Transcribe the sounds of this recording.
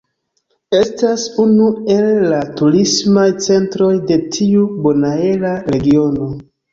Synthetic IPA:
e̞stasunue̞lːatuɾismajt͡se̞ntɾo̞jde̞tʰiubo̞nae̞laɾe̞ɡio̞no̞

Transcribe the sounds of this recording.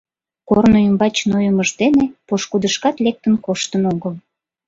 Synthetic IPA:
kornoymbɑt͡ɕnojəməʒd̪enepoʃkud̪əʃkɑt̪lek̚t̪ənkoʃt̪ənoɣəl

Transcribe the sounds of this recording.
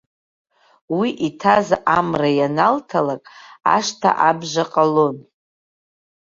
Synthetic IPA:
wiʔitʰazʔamrajanaltʰalakʼa̰ʂtʰa̰ʔabʒʷaqʼalon

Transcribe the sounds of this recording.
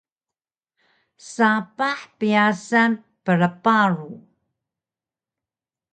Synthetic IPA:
sapaħpijasan | pəɾəpaɾu

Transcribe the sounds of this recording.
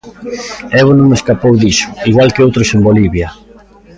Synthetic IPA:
ɛβonõŋeskapowðisʊ̥iɣwalkeowt̪ɾosemboliβjɐ

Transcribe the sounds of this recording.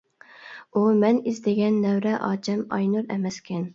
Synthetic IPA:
umɛnizd̪ɪɡʲɛnːɛwɾɛʔɑ̰ːd͡ʒɛmɑ̰jnuɾɛ̰mɛskʲʰɛn

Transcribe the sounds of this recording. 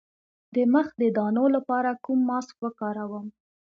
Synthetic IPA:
d̪əməxd̪əd̪ɑnolapɑɾakumːɑskwəkɑɾawəm

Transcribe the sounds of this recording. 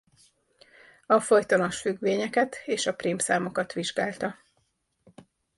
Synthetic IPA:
ɒfo̞jt̪ɒnoʃfyɡʋeːɲɛkɛt̪eːʃɒprimpsaːmo̞kɒt̪ʋiʒɡaːlt̪ɒ

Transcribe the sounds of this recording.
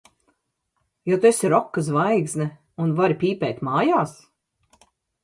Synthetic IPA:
jɔt̪esiɾɔkːəzvajɡznɛ | unvaɾipʲiːpʲɛːt̪ʲmaːjaːs

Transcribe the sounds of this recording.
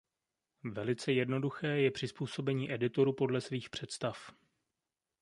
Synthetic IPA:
vɛlɪt͡sɛjɛdno̞duxɛːjɛpr̝̥ɪspuːso̞bɛɲiːʔɛdɪt̪o̞ɾuːpo̞dlɛsviːxpr̝̥ɛt̪st̪af

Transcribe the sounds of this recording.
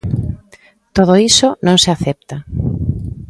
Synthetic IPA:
t̪oð̞oisonõŋseaθɛp̚t̪a

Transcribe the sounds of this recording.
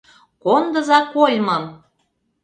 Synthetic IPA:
kond̪ə̆zɑkolmɤ̆m

